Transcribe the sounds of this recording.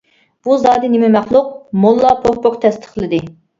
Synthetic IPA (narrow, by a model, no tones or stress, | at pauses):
b̥uzɑːd̪ɪnɪmɪmɛχlˠʊq̚molˠːɑpʰoχpoqt̪ʰɛst̪ʰə̥χlˠɨd̪ɨ